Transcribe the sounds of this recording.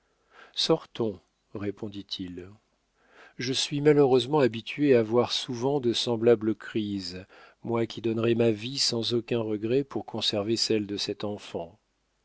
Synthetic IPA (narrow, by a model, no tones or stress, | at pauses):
sɔʁt̪ɔ̃ | ʁepʰɔ̃d̪it̪ʰil | ʒəsɥimaləʁøzmɑ̃abit̪ɥeavwaʁsuvɑ̃d̪əsɑ̃blabləkχiz | mwakʲid̪ɔnʁɛmavisɑ̃zokʲɛ̃ʁəɡʁɛpuʁkʰɔ̃sɛʁvesɛld̪əsɛt̪ɑ̃fɑ̃